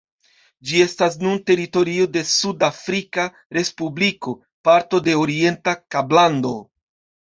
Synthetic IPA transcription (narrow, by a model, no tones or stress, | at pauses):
d͡ʒie̞stas̬nunte̞ɾito̞ɾio̞de̞sudafɾika | ɾe̞spubliko̞ | paɾto̞de̞oɾie̞ntakablando̞